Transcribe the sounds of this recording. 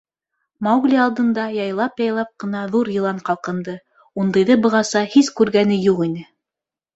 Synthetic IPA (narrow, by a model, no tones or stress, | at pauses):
mɑwɡlʲiɑlˠd̪ɤ̆nd̪ɑjɑjlˠɑpjɑjlˠɑp̚qɤ̆nɑðuɾjɤ̆lˠɑɴqɑlˠqɤ̆nd̪ɤ | und̪ɤ̆jðɤbɤ̆ʁɑsɑhiskʉɾɡænɘjuʁinɘ